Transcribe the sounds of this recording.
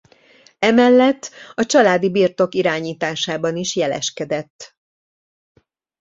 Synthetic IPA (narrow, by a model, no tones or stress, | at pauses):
ɛmɛlːɛt̪ːɒt͡ʃɒlaːd̪ibiːrt̪o̞kiɾaːɲiːt̪aːʃaːbɒniʃjɛlɛ̰ʃkɛd̪ɛt̪ː